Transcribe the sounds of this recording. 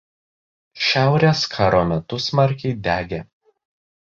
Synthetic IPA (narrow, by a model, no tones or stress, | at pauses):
ʃʲæˑʊɾʲeːskʰɑːɾoːmʲɛt̪ʊsmɐɾʲkʲɛɪd̪ʲæːɡʲe